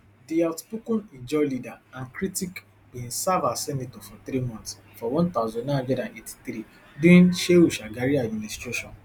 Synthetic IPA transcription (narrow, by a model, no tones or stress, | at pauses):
diatpukɔ̃nid͡ʒɔlidaãnkɾitik | bĩnsavasɛnitɔfɔt̪ɾimɔ̃nt̪sfɔwɔ̃nt̪aʊzɔ̃nnãɔ̃dɛdãneti̥t̪ɾi | dĩnʃeuʃaɡaɾiad̚mĩnistɹeʃɔ̃n